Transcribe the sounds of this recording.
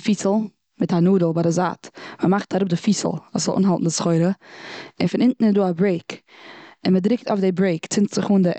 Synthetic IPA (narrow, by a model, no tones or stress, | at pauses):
fiːsl̩ˠ | mɪtanuːdəlˠbadɪza̰ːtməmaχtaɾʊp̚dɪfiːsə̰l̩ˠvuːsz̥ɔlʔṵːnɦalˠtn̩dsχɔɪɾəɪnfɪnɪntn̩ɪzduːabɾeɪk | ɪnmədɾɪk̚taoɪfdɪbɾeɪkt͡sɪntz̥ɪχuːndɪ